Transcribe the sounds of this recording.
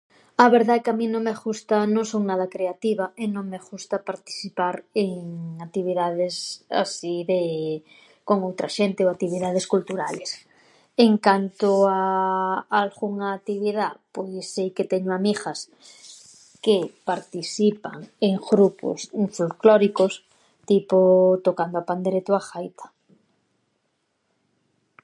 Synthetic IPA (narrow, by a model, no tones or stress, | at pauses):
aβeɾðaekeamĩnõŋmeɣust̪anõŋsownaðakɾeat̪iβaenõŋmeɣust̪apaɾt̪i̥θipaɾeŋak̚t̪iβ̞iðaðesa̰siðe | koŋowt̪ɾaʃent̪eoak̚t̪iβiðað̞eskult̪uɾales | eŋkant̪oa | alɣuŋaːt̪iβ̞iðapojsːejket̪eɲoamixas | kepaɾt̪isipaŋeŋɣɾupo̰sɱfulkloɾikos | t̪ipot̪okand̪oapand̪eɾet̪oaxajt̪ʰḁ